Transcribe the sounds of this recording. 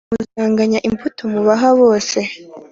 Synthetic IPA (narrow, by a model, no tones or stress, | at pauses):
uzaːŋɡaɲaʔimfutʰomuβaɦaβo̞ːse̞